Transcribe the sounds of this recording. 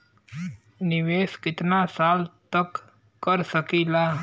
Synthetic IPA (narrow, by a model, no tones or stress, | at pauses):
nɪʋeːskɪt̪nasaːlt̪əkː | əɾsəkiːlaː